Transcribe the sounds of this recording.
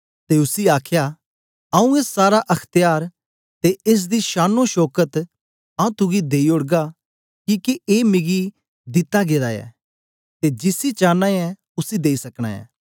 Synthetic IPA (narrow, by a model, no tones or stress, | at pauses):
t̪eʊsiaːkʰja | ɐũeːsːaːɾaʔɐkʰt̪ɪjaːɾ | t̪eʔeːs̬d̪iʃaːnoʃɔːkət̪ | ãũt̪ʊɡid̪eːioɽɡa | kiːkieːmɪɡi | d̪ɪt̪aɡeːɾaɛ̰ː | t̪ed͡ʒɪsit͡ʃãːnːãːɛ | ʊsid̪eːisɐkɽ̃a̰ːɛ̰ː